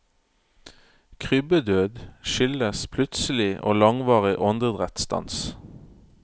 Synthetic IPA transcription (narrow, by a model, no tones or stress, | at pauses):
kʰʁʏbəd̪øːd̪ʃʏləspʰlʉt̪səl̩ɪʔo̰ːlɑŋʋɑːʁɪʔɔnd̪əd̪ʁɛt̪st̪ɑ̰ns